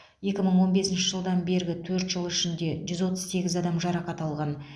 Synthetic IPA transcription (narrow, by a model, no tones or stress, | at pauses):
je̞kʲɪməɴwo̞nbe̞sɪnʃɪʒəlˠd̪ɑnbe̞ɾɡʲɪt̪ʰɵɾt̪ʒəlˠɪʃɪnd̪e̞ʒʏzwo̞t̪əzse̞ɡʲɪzɑd̪ɑmʒɑɾɑqɑt̪ɑlˠʁɑn